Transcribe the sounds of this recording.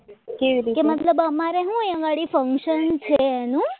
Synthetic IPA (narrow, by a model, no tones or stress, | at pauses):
keʋiɾikemət̪ləbəmaɾeɦũẽʋaɽifəŋkʃənt͡ʃʰeːnũ